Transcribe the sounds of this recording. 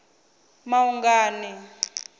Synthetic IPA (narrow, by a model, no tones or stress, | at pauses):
mauŋɡaːnɛ